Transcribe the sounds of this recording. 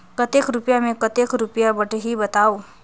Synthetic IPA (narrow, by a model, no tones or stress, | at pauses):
kət̪ekɾupjamẽkət̪ekɾupjabəʈɦibət̪aːo